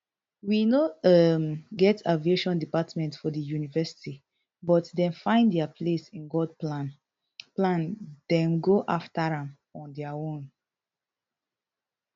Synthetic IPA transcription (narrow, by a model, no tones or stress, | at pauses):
winoʌmɡɛtavieʃɔ̃ndipatmɛ̃ntfɔdəjunivɛsi̥ti | bɔtdɛ̃nfãɪ̃ndɛapʰlesĩnɡɔdplãn | plãnd̥ɛ̃mɡoʔaftaɹãm | ɔ̃ndɛaõn